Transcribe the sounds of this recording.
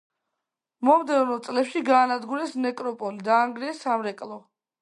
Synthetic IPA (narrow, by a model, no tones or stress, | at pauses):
mɔmd̪ɛvnɔt̪sʼlɛpʃiɡaːnad̪ɡuɾɛsnɛkʼɾɔpʼɔlid̪aːŋɡɾiɛsamɾɛkʼlˠɔ